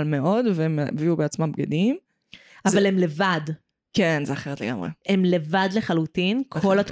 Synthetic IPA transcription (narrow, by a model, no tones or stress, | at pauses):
lmeʔo̞dveemviubeat͡smambɡadim | ʔavalemle̞vad | kenzeaχeʁet̪leɡa̰mʁḛemle̞vadleχalutinkʰolat